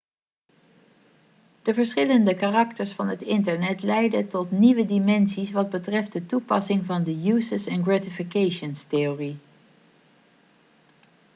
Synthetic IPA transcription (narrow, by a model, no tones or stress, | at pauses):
d̥əvəɹsχɪləndəkarɑktəɹsfɑnɦətɪntəɹnɛtlɛjdətɔtniʋədimɛnsisʋɑd̚bətrɛft̚dətupɑsɪŋvɑndəjuːsəsɛnɡratifikejʃənsteori